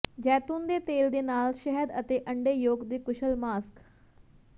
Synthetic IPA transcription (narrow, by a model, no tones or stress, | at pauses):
d͡ʒɛːt̪uːnd̪eːt̪eːld̪eːnaːlʃɛɦəd̪ət̪eːʔə̃ɳɖeːjoːɡd̪eːkʊʃəlmaːsk